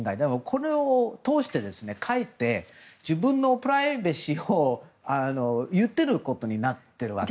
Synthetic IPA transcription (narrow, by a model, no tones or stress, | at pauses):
ŋɡaid̪emokʰo̞ɾe̞ot̪o̞ːɕi̥t̪e̞d̪e̞sɨne̞kʰait̪ːe̞d͡ʑibɯ̟̃nːo̞pɯ̟ɾaibeɕio | ano̞jɯ̟t̪ːe̞ɾɯ̟ko̞t̪o̞ɲ̟inat̪ːe̞ɾɯ̟βa̰k